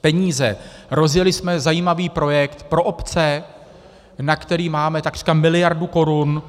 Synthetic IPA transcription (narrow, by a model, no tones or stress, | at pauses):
pɛɲiːzɛɾo̞zjɛlɪsmɛzajiːmaviːpɾo̞jɛkt̪pɾo̞ʔopt͡sɛ | nakt̪ɛɾiːmaːmɛt̪akɡr̥i̥kamɪlɪjaɾduko̞ɾun